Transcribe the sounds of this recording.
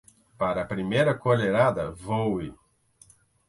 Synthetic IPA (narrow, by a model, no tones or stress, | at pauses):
paɾɐpɾimejɾɐkoleɾad̪ɐvowɪ